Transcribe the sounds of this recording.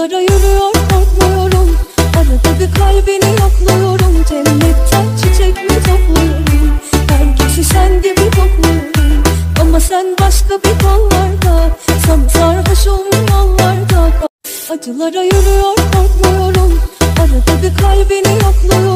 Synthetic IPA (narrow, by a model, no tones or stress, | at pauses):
aɾajøɾyjoɾkʰoɾkmujo̞ɾumaɾad̪abikʰalʲbinijaklˠɯjoɾumd͡ʒɛnːɛt̪ːʰænt͡ʃʰit͡ʃʰɛcmɛt̪ʰoklˠujoɾumhæɾcʰiʃiʃænd̪ibit̪ʰoklˠujoɾumamasænbaʃkabikʰanˠvaɾd̪ɯsamt̪aɾɦaʃonujanˠːaɾd̪ɯk | ad͡ʒɯlˠaɾajyɾyjoɾkʰoɾkmujo̞ɾumaɾad̪abikʰalʲbinijaklˠɯjo